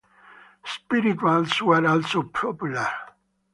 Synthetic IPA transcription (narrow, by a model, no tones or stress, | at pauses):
spiɾitwalswɛɾɔlsopʰɹɔpjulaɾ